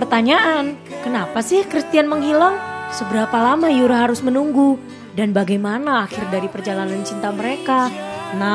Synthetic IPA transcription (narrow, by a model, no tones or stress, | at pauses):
pərt̪aɲaʔankənapasɪhkɾist̪ianməŋɦilaŋsəbəɾapalamajuɾaɦaɾʊsmənuŋɡu | danbaɡajmanaːxɪrdaɾipərd͡ʒalanant͡ʃint̪aməɾekana